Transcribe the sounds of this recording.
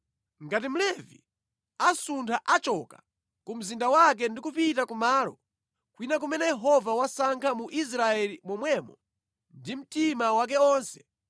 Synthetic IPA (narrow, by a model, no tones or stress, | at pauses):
ŋɡatim̩lɛvḭ | asuntʰaʔat͡ʃɔka | kum̩zindawak̬ɛndikupitakumaːlɔ | kwinak̬umɛnɛjɛɦɔvawasaŋkʰamuʔis̬ɾaɛlimɔmwɛmɔ | ndim̩timawak̬ɛɔːnsɛ̥